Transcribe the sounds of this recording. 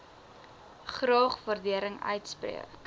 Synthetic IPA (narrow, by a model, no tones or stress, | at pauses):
χrɑːχvɐrdiəɾəŋœ̰ɥtsprḭək